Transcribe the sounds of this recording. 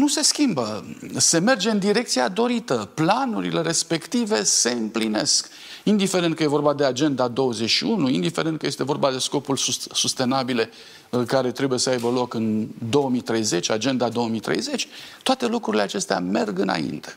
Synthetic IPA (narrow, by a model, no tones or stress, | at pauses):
nuse̞skʲimbəse̞me̞rd͡ʒe̞ɨnd̪iɾe̞kt̪siad̪o̞ɾit̪əplanuɾḭle̞ɾe̞spe̞kt̪ive̞se̞ɨmpline̞̰sk | ind̪ife̞ɾent̪kəje̞vo̞rbad̪e̞ad͡ʒe̞nd̪ad̪o̞wəzet͡ʃʃiunuind̪ife̞ɾent̪̚kəjest̪e̞vo̞rbad̪e̞sko̞pulsusust̪e̞nabile̞ | kaɾe̞t̪ɾe̞buje̞səajbəlo̞kɨnd̪o̞əmit̪ɾe̞jze̞t͡ʃʲad͡ʒe̞nd̪ad̪o̞omit̪ɾe̞̰jze̞t͡ʃʲt̪oat̪e̞lukɾuɾile̞at͡ʃe̞st̪ea̰me̞rɡɨna̰ḭnt̪e̥